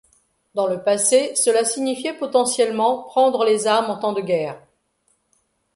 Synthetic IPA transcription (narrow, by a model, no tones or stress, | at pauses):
d̪ɑ̃ləpasesəlasiɲifjɛpɔt̪ɑ̃sjɛlmɑ̃pχɑ̃d̪ʁəlezaʁmɑ̃t̪ɑ̃d̪əɡʲɛːʁ